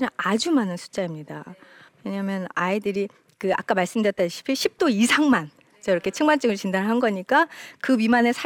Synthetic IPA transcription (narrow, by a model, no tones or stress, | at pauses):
ɲaad͡ʑumanɯnsʰu̥t͡ɕ͈aimɲida̰ | we̞ɲamjʌnaidɯɾi | kɯa̰k͈amaɭs͈ɯmdjʌt͈aɕʰi̥pʰiɕʰip̚t͈oisʰaŋman | t͡ɕʌjɾʌkʰe̞t͡ɕʰɯŋmaɭt͡ɕ͈ɯɡɯɭt͡ɕindaɾɯɭɦanɡʌɲik͈akɯpimane̞sʰa